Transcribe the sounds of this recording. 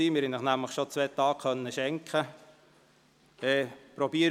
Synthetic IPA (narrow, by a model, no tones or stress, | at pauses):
iːmɪɾhɛnəχnæmləχʃot͡sʋɛːt̪ɑːkχœnːəʃɛŋkχə | ɛpɾɔbiːəɾ